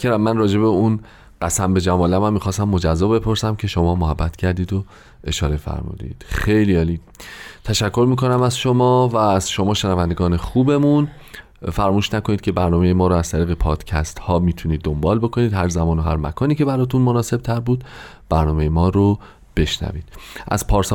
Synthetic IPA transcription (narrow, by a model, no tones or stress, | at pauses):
kʰeɾæmːænrɒːd͡ʒe̞beun | ɢ̥æsæmbe̞d͡ʒæmɒːlæmæmːiːxɒːst̪æmːod͡ʒæzːɒːbepʰoɾsæmcʰe̞ʃo̞mɒːmoɦæbːæt̪ʰcʰæɾd̪iːd̪o | ʔe̞ʃɒːɾe̞fæ̰ɾmṵːd̪ḭːd̪̥xejliːɒːliːd̪t̪ʰæʃækʰːo̞ɾmiːko̞næmæzʃo̞mɒːvæːzʃo̞mɒːʃenævænd̪eɡɒːne̞xuːbe̞mun | fæɾmuːʃnækoniːd̪̚cʰe̞bæɾnɒːmejemɒːɾoæz̥t̪ʰæɾiːɣepʰɒːd̪̥cʰæst̪hɒːmiːt̪ʰuniːd̪ːo̞mbɒːlbo̞kʰo̞niːd̪ɦæɾzæmɒːno̞ɦæɾmæ̰kʰɒːniːce̞bæɾɒːt̪ʰunmonɒːse̞b̚t̪ʰæɾbuːd̪ | b̥æɾnɒːme̞jemɒːɾo | b̥e̞ʃnæ̰viːd̪̥ʔæ̰zpʰɒːɾsɒ